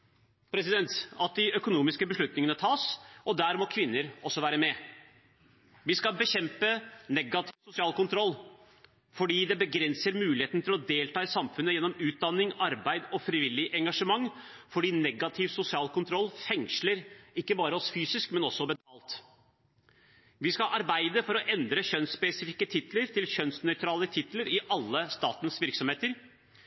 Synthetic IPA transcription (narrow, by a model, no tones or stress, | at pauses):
pʰɾɛsɪd̪ɛnt̪ɑt̪̚d̪ɪʔœkʊnuːmɪskəbəʂlʉt̪nɪŋənət̪ʰɑːsɔd̪æɾmɔkʰʋɪnːəɾɔsːɔʋæːɾəmɛ | ʋɪskɑbəɕɛmpənɛɡɑt̪ʰɪʋsʊsɪɑːlkʊnt̪ʰɾɔlː | fɔɖiːd̪ɛbəɡɾɛnsəɾmʉːlɪheːt̪nt̪ʰɪlɔd̪eːlt̪ɑːɪsɑmfʉnːəjɛnːɔmʉːt̪̚d̪ɑnːɪŋɑɾbæɪd̪ɔfɾɪʋɪlːɪʔɛŋɡɑʂəmɑŋːfɔɖiːnɛɡɑt̪ʰɪʋsʊsɪɑːlkʰʊnt̪ʰɾɔlːfɛŋʂləɾɪkːəbɑːɾəɔsfyːsɪskmɛnɔsːɔbɛt̪ʰɑːlt̪ | ʋɪskɑʔɑɾbæɪd̪əfɔɾɔʔɛnd̪ɾəçœnspɛsɪfɪkːət̪ʰɪt̪ləɾt̪ʰɪlçœnsnœʏt̪ɾɑːlət̪ʰɪt̪ləɾɪʔɑlːəst̪ɑːt̪ənsʋɪɾksɔmheːt̪əɾ